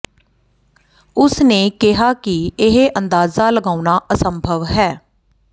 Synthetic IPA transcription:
ʊsneːkɪɦaːkɪɪɦeʔənd̪aːzaːləɡaːʊnaːʔəsəmbʱəʋɦɛː

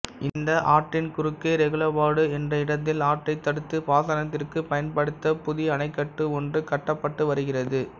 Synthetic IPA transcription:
ʔɪnd̪ɐʔaːʈrɪnkʊɾɯkːɐɪɾɛɣɯɭɐbaːɽɯɛndrɐɪɽɐt̪̬ːɪlaːʈːɐɪt̪ːɐɽɯt̪ːɯpaːðɐnɐt̪ːɪrkɯpɐjɐnpɐɽɯt̪ːɐpʊðɪɐnɐɪkːɐʈːɯɔndrɯkɐʈːɐpːɐʈːɯʋɐɾɯɣɪrɐðɯ

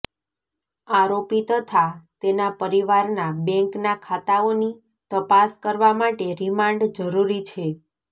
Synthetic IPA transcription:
aɾopit̪ət̪ʰat̪enapəɾiʋaɾnabɛ̃ŋknakʰat̪aoni | t̪əpaskəɾʋamaʈeɾimaɳɖd͡ʒəɾuɾit͡ʃʰe

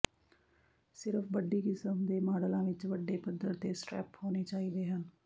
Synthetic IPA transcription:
sɪɾəfʋəɖːiːkɪsəmd̪eːmaːɽəlãːʋɪt͡ʃʋəɖːeːpəd̪ːəɾt̪eːsʈɾɛ̰ːphoːneːt͡ʃaːiːd̪eːɦən

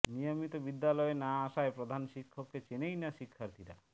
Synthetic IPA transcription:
nijɔmit̪ɔbid̪ːalɔenaːʃaepɾod̪ʱanʃikʰːɔkːet͡ʃenejnaʃikʰːaɾt̪ʰiɾa

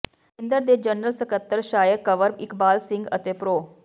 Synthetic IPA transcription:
ɪnd̪əɾd̪eːd͡ʒənɾəlsəkət̪ːəɾʃaːjəɾkəʋəɾbɪkbaːlsɪ̃ŋɡət̪eːpɾoː

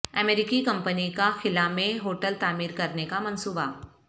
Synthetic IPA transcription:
ɐmeːɾɪkikɐ̃mpənikaxɪlamẽɦoːʈəlt̪aːmiːɾkɐɾnekamɐnsuːba

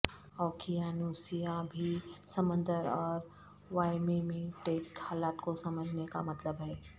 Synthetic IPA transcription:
ɔːkʰijanuːsijabʱisɐmə̃nd̪əɾɔːɾ | ʋaːɪmimẽʈeːkhaːlaːt̪kosɐməd͡ʒʱneka̰mɐt̪ləbɦɛː

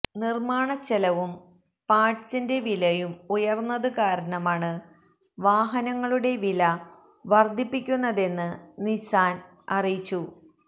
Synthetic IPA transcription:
nirmaːɳɐt͡ɕːelɐʋum | paːʈt͡ɕinde̞ʋilɐjumujɐrnːɐðɨkaːɾɐɳɐmaːɳɨ | ʋaːɦɐnɐŋːɐɭuɽe̞ʋilɐ | ʋɐrd̪ʱipːikʲːunːɐðe̞nːɨnisaːn | ɐrijit͡ɕːu

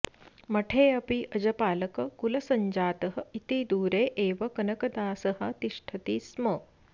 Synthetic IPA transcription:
mɐʈʰeːɐpiʔɐd͡ʒɐpaːlɐkɐkulɐsɐɲd͡ʒaːt̪ɐɦɐit̪id̪uːɾeːʔeːʋɐkɐnɐkɐd̪aːsɐɦɐt̪iʃʈʰɐt̪iːsmɐː

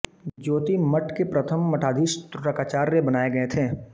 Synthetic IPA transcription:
d͡ʒoːt̪imɐʈkepɾɐt̪ʰəmːɐʈʰaːd̪ʱiːʃt̪ɾʊʈəkaːt͡ʃaːɾːebɐnaːeɡɐet̪ʰeː

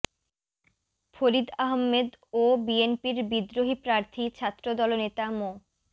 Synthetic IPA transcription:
foɾid̪aɦmːed̪obienpiɾbid̪ːɾoɦipɾaɾt̪ʰit͡ɕʰat̪ːɾod̪ɔlonet̪amo

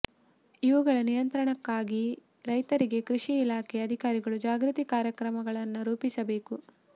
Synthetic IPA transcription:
iʋuɡɐɭɐnijɐnt̪ɾɐɳɐkːaːɡi | ɾɐjt̪ɐɾiɡe̞kɾiʂiːlaːkʰɛɐd̪ʱikaːɾiɡɐɭud͡ʒaːɡɾut̪ikaːɾjɐkɾɐmɐɡɐɭɐnːuɾuːpisɐbe̞ːku

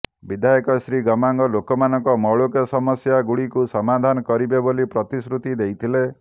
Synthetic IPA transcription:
bid̪ʱajɔkɔsɾiɡɔmaŋɡɔlokɔmanɔŋkɔmɔɭokɔsɔmɔsjaɡuɽikusɔmad̪ʱanɔkɔɾibebolipɾɔt̪isɾut̪id̪ejt̪ʰile

